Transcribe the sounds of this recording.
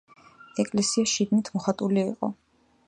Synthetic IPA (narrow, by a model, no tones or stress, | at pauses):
ɛkʼlɛsiaʃid̪nit̪ʰmɔχat̪ʼuliːqʼɔ̰